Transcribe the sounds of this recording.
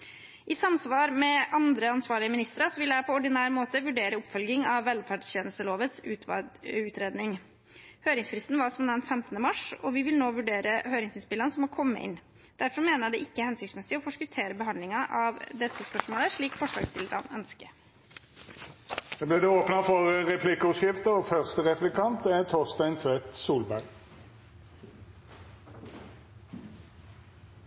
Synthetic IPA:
ʔɪsɑmsʋɑːɾmɛʔɑnd̪ɾəɑnsʋɑːɭɪəmɪnɪst̪əɾɑsɔʋɪljæɪpʰɔɔɖɪnæːɾmoːt̪əʋʉɖeːɾəʊpːfœlɡɪŋɑʋːɛlfæɖçeːnəl̩st̪əloːʋət̪sʉʉːt̪ɾeːd̪nɪŋ | høːɾɪŋsfɾɪst̪n̩ʋɑɾsɔmd̪ɛnfɛmt̪ənəmɑʂɔʋɪʋɪlnoːʋʉɖeːɾəhøːɾɪŋsɪnspɪlɑnəsɔmɔkʰɔmːə̰ʔɪ̰nː | d̪̥æɾfɔɾmeːnəjæd̪ɛʔɪkːəhɛnsʏk̪smɛsɪɔfɔʂkʉt̪ʰeːɾəbəɦɑnd̪lɪŋɑʔɑʋd̪ɛt̪ːəspœʂmoːləʂɭiːkfɔʂlɑ̰ːɡst̪ɪləɾɑ̰nœnskə | ɛblɪːʁd̪ɛoːpnəfɔʁəʁɛpʰlɪkəʉsɪft̪əfœʁst̪əʁɛplɪkʰɑnt̪æt̪ʰɔʁst̪æɪnt̪ʰʋɛt̪suːlbæʁɡ

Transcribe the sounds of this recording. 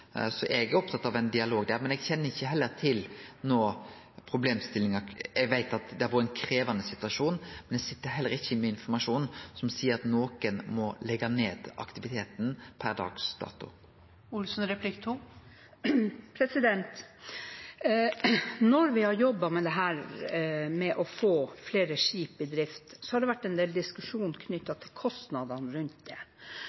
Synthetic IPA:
sɔʔɛɡæɾɔp̚t̪ʰɑt̪ːɑʋɛɪnd̪ɪɑloːɡd̪æɾmɛnɛɡçɛnːəɪçːəɦɛlːəɾt̪ʰɪlnoː | pʰɾʊbleːmst̪ɪlːɪŋɑɛɡʋæɪt̪ɑt̪d̪ɛɑɾʋɔːɾəɛnkʰɾeːʋɑnəsɪt̪ʉɑʂuːnmɛnd̪ɛsɪt̪ːəɾɦɛlːəɾɪçːəmɛɪnfɔɾmɑʂuːnsɔmsiːəɾɑt̪noːkənmɔlɛɡɑneːd̪ɑ̰kt̪ɪʋɪt̪ʰeːt̪n̩pʰæɾd̪ɑ̰ːɡsd̪ɑ̰ːt̪ʊ̰ | ʊlsnɾɛpʰlɪkt̪ʰu | pʰɾɛsɪd̪ɛnt̪ | nɔɾʋɪhɑɾjɔbːɑmɛd̪ɛɦæːɾ | mɛʔɔfoːfleːɾəʂiːpɪd̪ɾɪft̪sɔhɑɖ̪ɛʋæʈːɛnd̪eːld̪ɪskʉʂuːnkʰnʏt̪ːɑt̪ʰɪlkʰɔst̪nɑd̪ɑnɾʉnt̪̚d̪ɛ

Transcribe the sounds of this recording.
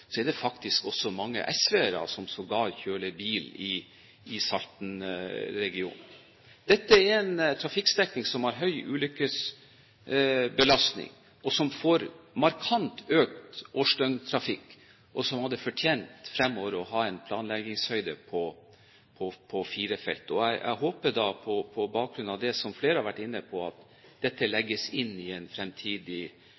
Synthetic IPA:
sɔɛɖ̪ɛfɑkt̪ɪskɔsɔmɑŋːə̰ʔɛsʋeɾɑ̰ːsɔmsɔɡɑːɾçøːləbiːlɪ | ɪsɑlt̪n̩ɾɛɡɪṵːn | d̪̥ɛt̪ːəɛɾɛnt̪ʰɾɑfɪksd̪ɛknɪŋsɔmhɑɾɦœʏʔʉːlʏkːəs | bəlɑsnɪ̰ŋ | ʔɔsɔmfoːɾmɑɾkʰɑnt̪øːk̚t̪oːʂʈœŋt̪ʰɾɑfɪkː | ʔɔsɔmhɑd̪ːəfɔʈʰjeːnt̪fɾɛmːɔːʋəɾɔɦɑːɛɪnpʰlɑːnlɛɡɪŋshœʏd̪ə̰pʰɔ | pʰɔpʰɔfiːɾəfɛ̰lt̪ɔæɪʔæ̰ɪɦoːpəd̪ɑpʰɔpʰɔbɑːk̚ɡɾʉnɑʋd̪ɛsɔmfleːɾəhɑɾʋæʈːɪnːəpʰɔɑ̰t̪ | d̪̥ɛt̪ːəlɛɡːəsɪnːɪɛnfɾɛmt̪ʰiːd̪ɪ

